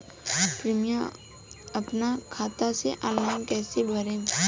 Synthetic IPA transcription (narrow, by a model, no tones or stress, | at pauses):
pɾɪmja | ɐpnakʰaːt̪aseʔalãnkɛːsebʱəɾẽː